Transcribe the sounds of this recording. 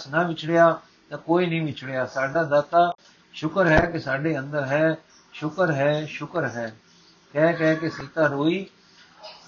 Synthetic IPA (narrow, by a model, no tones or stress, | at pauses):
snaʋɪt͡ʃʰɽejaː | t̪ãːkoːiːnəĩʋɪt͡ʃʰɽejaːsaːɖaːd̪aːt̪aː | ʃʊkəɾɦɛːkesaːɖeːə̃nd̪əɾɦɛː | ʃʊkəɾɦɛːʃʊkəɾɦɛː | kɛːkɛːkeseːt̪aːɾoːiː